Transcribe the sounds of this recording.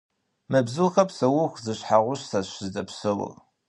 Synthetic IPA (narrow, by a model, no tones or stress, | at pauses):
mɐbzɨlxɐpsɐwʊxzɨɕħaʁʷʊɕsaɕɨzɐpsɨwʊ̰